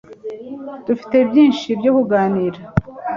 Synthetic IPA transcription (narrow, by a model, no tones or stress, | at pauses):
d̥ufi̥te̞bjiːnʃibɟokuɡaːniɾa